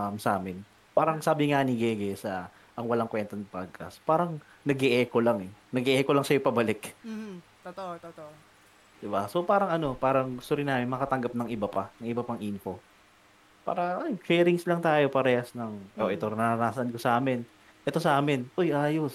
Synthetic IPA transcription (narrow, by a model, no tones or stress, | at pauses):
amsʔaːmɪn | paːɾɐŋsaːbɪŋaniɡɛːɡɛsɐ | ʔɐŋwɐlaŋkwɛnt̪onɐpaɡ̚kɐ̰spaːɾɐŋ | nɐɡɪʔɛːko̞laŋɛnɐɡɪʔɛːkolɐŋsɐjopɐbɐlɪk̪ː | d̪̥ɪbaso̞paːɾɐŋʔɐno̞paːɾɐŋɡʊst̪ʊɾɪnaːmɪnmɐkɐt̪ɐŋɡɐp̚nɐŋʔɪbɐpanɐŋʔɪbɐpɐŋʔinko̞ | pa̰ːɾɐɐkɛːɾɪŋslɐŋt̪aːjo̞pɐɾɛhɐsnɐŋʔʔoʔɛt̪onɐɾɐnaːsɐnkosɐʔaːmɪn | ʔɛt̪osɐʔaːmɪnʔojʔaːjo̞s